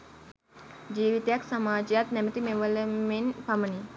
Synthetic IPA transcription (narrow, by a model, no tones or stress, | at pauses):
d͡ʒiːʋit̪ejaksamaːd͡ʒejat̪næmət̪imeʋələmenpaməni